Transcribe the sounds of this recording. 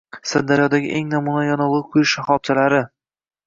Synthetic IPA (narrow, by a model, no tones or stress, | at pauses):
sɨd̪aɾjɒd̪aɡʲɪ̰ʔeŋnamunajɒnɒlˠqʰʊjɪʃaχɒb̚t͡ʃʰalaɾɪ